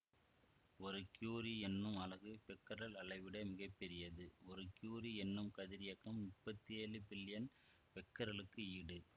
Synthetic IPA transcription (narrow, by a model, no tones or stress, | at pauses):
ɔɾɯkjuːɾiɛnːɯmɐlɐɣɯpɛkːɐɾɐlɐlɐɪʋɪɽɐmɪɣɐpːɛɾɪjɐðɯɔɾɯkjuːɾiɛnːɯmkɐðɪɾɪjɐkːɐmːʊpːɐt̪ːieːlɯbɪlːɪjɐn | pɛkːɐɾɐlɯkːɯiɽɯ